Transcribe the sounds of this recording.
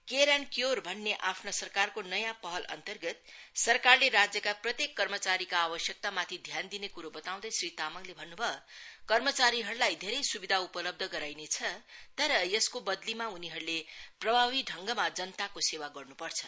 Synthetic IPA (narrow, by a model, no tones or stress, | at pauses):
keɾankjorbʱʌnːeʔapʰnosʌrkarkonʌjãpʌɦʌlʌ̰nt̪ʌrɡʌt̪̚sʌrkarleɾad͡zjʌkaprʌt̪jekːʌrmʌt͡saɾikaːbʌsjʌk̚t̪amat̪ʰid̪ʱjand̪inekuɾobʌt̪aw̃d̪ʌjsrit̪amʌɡlebʱʌnːubʱʌkʌrmʌt͡saɾiɦʌɾulajd̪ʱeɾʌjsubid̪ʱaupʌlʌb̚d̪ʱʌɡʌɾajnet͡sʰʌt̪ʌɾʌjʌskobʌd̪limauniɦʌɾuleprʌbʱaβiɖʱʌŋɡʌmad͡zʌnt̪akosewaɡʌrnupʌrt͡sʰʌ̥